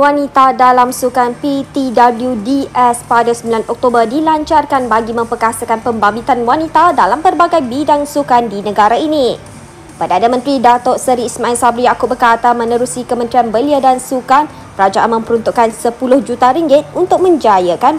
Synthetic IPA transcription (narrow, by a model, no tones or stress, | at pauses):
wanit̪adalamsukanpit̪idabəljudiɛspadasəmbilanɔk̚t̪obərdilaɲt͡ʃarkanbaɡimə̃mpərkasəkanpəmbabit̪anwanit̪adalampərbaɡajbidaŋsukandinə̃ɡaɾaini | pərdanamə̃nt̪ɾidat̪ɔʔsəɾiːsmãɛlsabɾijakʊbərkat̪amə̃nəɾusikəmə̃nt̪ɾianbəliadansukan | əɾad͡ʒaʔanmə̃mpəɾunt̪uʔkansəpulʊhd͡ʒut̪aɾiŋɡɪt̪̚unt̪ʊk̚mə̃ɲd͡ʒajəkan